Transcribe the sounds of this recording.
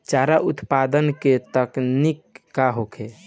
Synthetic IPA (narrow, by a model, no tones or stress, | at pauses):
t͡ʃaɾaʔut̪pad̪ənket̪əknikːaɦokʰe